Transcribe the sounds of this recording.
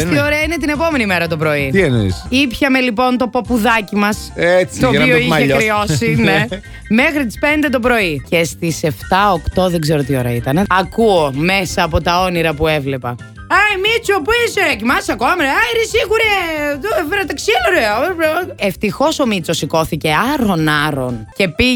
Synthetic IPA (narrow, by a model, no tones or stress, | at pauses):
t̪ioɾeɐinet̪ine̞po̞me̞nimeɾɐt̪opɾo̞it̪ienḛsipçɐmelipo̞nt̪o̞popuðɐcimɐset͡st̪ooiçekɾiosine | mexɾit̪̬i̥spend̪e̞t̪op̬ɾo̞ice̞st̪ise̞ft̪ɐokt̪o̞ðeɡzeɾot̪io̞ɾɐ̰it̪ɐneɐkuome̞sɐːpo̞t̪ɐo̞niɾɐpue̞vle̞pɐ | ɐjmit͡sopisecimɐsɐkoɐmɐɾeɐinesiɣuɾeoeveɾɐt̪ɐksiɐnoɾeɐvɾeft̪ixo̞so̞mit͡so̞siko̞θice̞ɐɾonɐɾo̞̰nce̞pi